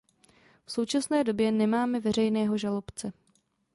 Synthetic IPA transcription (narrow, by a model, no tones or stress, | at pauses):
fso̞wt͡ʃasnɛːdo̞bjɛnɛmaːmɛvɛr̝ɛjnɛːɦo̞ʒalo̞pt͡sɛ